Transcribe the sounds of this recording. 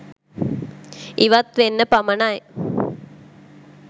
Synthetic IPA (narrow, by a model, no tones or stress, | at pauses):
iʋat̪ʋenːəpamənaj